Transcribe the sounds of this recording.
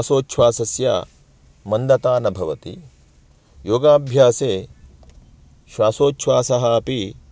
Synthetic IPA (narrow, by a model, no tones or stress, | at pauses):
asoːtːʃʰʋaːsɐsja̰ː | mɐnd̪ɐt̪aːnɐbʱɐʋɐt̪ḭ | joːɡaːbʱjaːseː | ʃʋaːsoːtʃʰʋaːsɐɦɐpi